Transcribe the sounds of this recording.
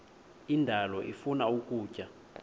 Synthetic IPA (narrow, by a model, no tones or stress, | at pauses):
indʱalɔʔifunaukʼuːcʼa